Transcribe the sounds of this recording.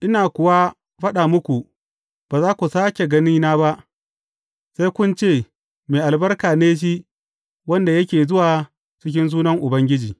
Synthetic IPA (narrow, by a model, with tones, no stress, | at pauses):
ʔɪ˦naː˨kʷʊ˨wa˦ | ɸɐ˦ɗa˨mʊ˦kʷu˨ | b̥aː˨zaː˦kʷu˨saː˦kʲe˨ɡɐ˦niː˦naː˦ba˦ʔ | sa˦jkʷʊ˦nt͡ʃeː˦˨ | meː˨ʔa˨lbɐ˦rkaː˨neː˦ʃ̬i˦ʔ | wɐ˦nda˨jɐ˦kʲeː˨zʊ˦waː˨ | t͡ʃɪ˦k̬ʲɪ˦ns̬uː˦nɐ˦ŋʔʊ˨bɐ˦ŋɡʲɪ˦d͡ʒiː˨